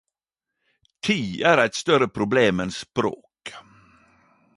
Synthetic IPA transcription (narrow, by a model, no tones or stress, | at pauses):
t̪ʰiːæːɾæɪt̪st̪œɾəpʰɾʊbleːmɛnspɾo̰ːk